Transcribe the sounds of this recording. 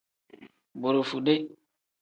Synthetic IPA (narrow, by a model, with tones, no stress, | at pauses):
bo˨ɾo˨fu˨de˦